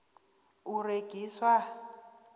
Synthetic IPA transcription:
ureɡ̥ʱiːswa

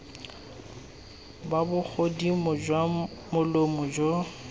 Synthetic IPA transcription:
babʊk͡xʰodimʊd͡ʒwamʊlomʊd͡ʒo

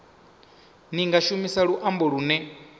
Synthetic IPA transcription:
niŋɡaʃumisaɺuʔambɔɺunɛ

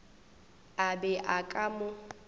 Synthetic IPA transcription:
abɛʔakʼamʊ

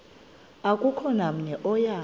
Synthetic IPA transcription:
akʼukʰɔnam̩ɲɛʔɔja

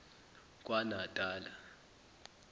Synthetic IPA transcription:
kʼwanatʼaːla

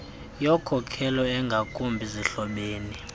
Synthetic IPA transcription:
jɔkʰɔkʰɛlɔɛŋɡʱakʼumbʱiziɬɔɓeːni

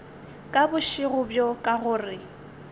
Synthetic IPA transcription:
kʼabʊʃɪɣʊbjɔkʼaɣʊːrɪ

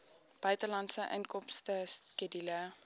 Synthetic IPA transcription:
b̥œɥtəlɐntsəʔə̰nkɔmstəskedilə

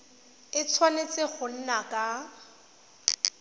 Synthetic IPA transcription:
ɪt͡sʰwanet͡sʼɪχʊn̩nakʼa

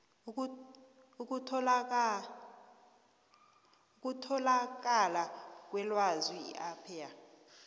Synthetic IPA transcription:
uk̬ʼutʰ | uk̬ʼutʰɔlak̬alak̬ʼwɛlwazwiḭʔapʰija

